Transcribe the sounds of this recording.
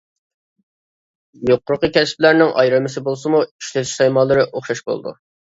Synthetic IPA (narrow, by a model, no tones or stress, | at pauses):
joqːʊɾqəkʲɛsplæɾnɪŋʔɑ̰jɾɨmɪsɪbolˠsɨmui̥ʃlɛt̪ʃsɑjmɑːlˠɨɾɨʔoχʃɑʃbo̰lˠd̪ṵ